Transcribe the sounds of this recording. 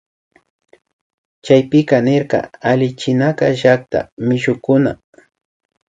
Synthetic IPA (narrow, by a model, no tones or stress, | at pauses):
t͡ʃajpɪkanɪɾqɑ̰alɪt͡ʃɪnakɑʒak̚t̪a̰mɪʃʊkʊna̰